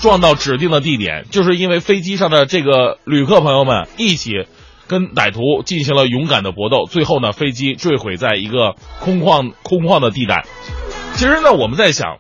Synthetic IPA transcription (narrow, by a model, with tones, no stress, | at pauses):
ʈ͡ʂwɑ˥˧ŋt̪ɑ˥˩ʊʈ͡ʂɻ̩˨˩t̪i˥˩ŋd̪ə˩t̪̬i˥˩t̪jɛ̰˨˩˦nt͡ɕjo˥˧ʊʂɻ̩˥˧i˥nwe˥˩ɪfe˥ɪt͡ɕi˥ʂɑ˥˩ŋd̪ə˩ʈ͡ʂɤ˥˩ɡə˩ly˨˩kʰɤ˥˩pʰɤ˧˥ŋjo˥˧ʊmə̰˩ni˥˩t͡ɕʰi˨˩˦ | kə˥nt̪a˨˩ɪt̪ʰu˧˥t͡ɕi˥˩nɕi˧˥ŋlə˧jʊ˧˥ŋka̰˨˩nd̪ə˦pwɔ˧˥t̪o˥˧ʊt͡swe˥˧ɪxo˥˩ʊnə˩fe˥ɪt͡ɕi˥ʈ͡ʂwe˥˩ɪxwe˨˩ɪt͡sa˥˩ɪi˧˥ɡə˧kʰʊ˥ŋɑ˥˧kʰʊ˥ŋkʰwɑ˥˩ŋd̪ə˩t̪i˥˧t̪a̰˥˩ɪt͡ɕʰi˧˥ʂɻ̩˧˥nə˥˩wɔ˨˩mə˦nt͡sa˥˩ɪɕjɑ̰˨˩˦ŋ